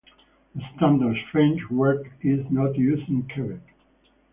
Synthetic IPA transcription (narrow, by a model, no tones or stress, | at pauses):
ðəstæ̃ndə˞dstɹẽnd͡ʒwɜ˞kɪznɔtjʉzɪ̃ŋkʰɛɹɪk